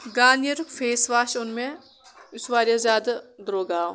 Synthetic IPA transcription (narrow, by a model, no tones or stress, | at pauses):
ɡaːnjəɾfʰeːsʋaːʃʊnmẽ | ʊsʋaːɾjazʲjaːd̪d̪ɾoːɡaː